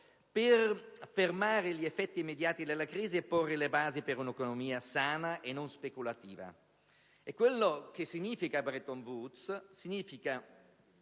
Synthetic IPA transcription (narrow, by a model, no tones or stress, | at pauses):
perfermaːɾeʎiefːɛt̪ːiːmːed̪jaːt̪id̪elːakɾiːziepːorːelebaːzipeɾunekonomiːasaːnaʔenːonspekulat̪iːva̰ | ekːwelːok̟esːiɲiːfikabɾet̪oɱvut̪ssiɲiːfika